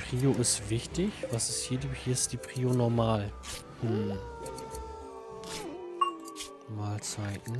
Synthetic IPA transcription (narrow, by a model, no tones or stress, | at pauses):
pʁ̥iːoɪstv̥ɪçtɪçvasɪsthiːɐdihiːɐɪstd̥iːpʁ̥iːonɔɐmaːl | hm̩ | maːlt͡saɪtn̩